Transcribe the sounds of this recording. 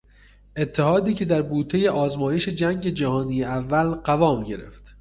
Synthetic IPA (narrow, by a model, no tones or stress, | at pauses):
ʔe̞t̪ʰːehɒːd̪iːcʰe̞d̪æɾbuːt̪ʰeje̞ʔɒːzmɒːje̞ʃe̞d͡ʒæŋɟe̞d͡ʒæhɒːniːjeævːælɢævɒːmɟe̞ɾe̞̰ft̪